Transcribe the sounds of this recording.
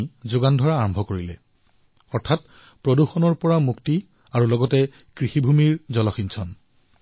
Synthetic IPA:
zʊɡandʱɔɹaːɹɔmbʱɔkoɹilɛ̰ | ɔɹtʰat̚ | pɹoduxɔnɔɹpɔɹamukti | aɹulɔɡɔtɛ | kɹixibʱumiɹzɔlɔxinsʰɔn

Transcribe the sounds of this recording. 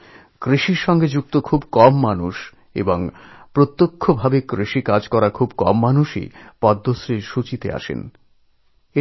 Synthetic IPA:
kɾiʃiɾʃɔŋɡed͡ʑuk̚t̪okʰubkɔmːanuʃ | ḛboŋpɾot̪ːokʰːobʱabekɾiʃikad͡ʑkɔɾakʰubkɔ̰mːanuʃḭpɔd̪ʱːosɾeɾʃut͡ɕit̪ḛa̰ʃḛn | e

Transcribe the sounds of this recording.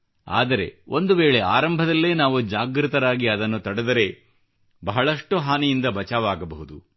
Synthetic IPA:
a̰ːd̪ɐɾe̞̰ʔo̞nd̪uʋeːɭe̞a̰ːɾɐmbʱɐd̪ɐlːe̞ːnaːʋud͡ʒaːɡɾit̪ɐɾaːɡiɐd̪ɐnːut̪ɐɽed̪ɐɾe̞ | bɐɦɐɭɐʂʈuɦaːnijind̪ɐbɐt͡ʃaːʋaːɡɐbɐɦud̪u

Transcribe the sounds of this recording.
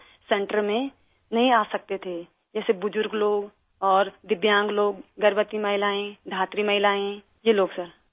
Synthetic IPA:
sɛ̃ɳʈəɾmẽ | nɐɦĩaːsɐk̚t̪et̪ʰe | d͡ʒɛːsebʊd͡ʒʊɾɡloːɡ | ɔːɾd̪ɪbjãːŋɡloːɡːɐɾbət̪imɐɦɪlaːẽd̪ʱaːt̪ɾimɐɦɪlaːẽ | jeloːɡsəɾ

